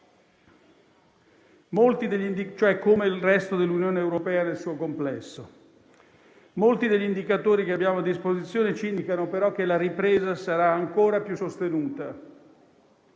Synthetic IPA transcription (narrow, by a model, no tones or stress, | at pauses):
molt̪id̪eʎːind̪it͡ʃoɛkːomelrɛst̪od̪elːunjoːneːwɾopɛːanelsuːokomplɛsːo | molt̪id̪eʎːind̪ikat̪oːɾikeabːjaːmoad̪ːispozit̪sːjoːnet͡ʃind̪ikanopeɾɔk̟ːelaɾipɾeːzasaɾaːŋkoːɾapjusost̪enuːt̪a